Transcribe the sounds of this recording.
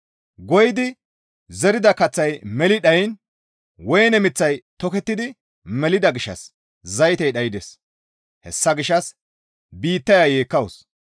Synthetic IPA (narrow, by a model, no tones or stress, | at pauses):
ɡɔjɪd̪ɪ | zɛɾɪd̪ɐkɐt͡sːɐjmɛlɪɗɐjn | wɔjnɛmɪt͡sːɐjt̪ɔkɛt̪ːɪd̪ɪ | mɛlɪd̪ɐɡɪʃɐ̰s | zɐjt̪ɛjɗɐjɪd̪es | hɛ̰sːɐɡɪʃːɐs | biːt̪ːɐjajeːkːɐwos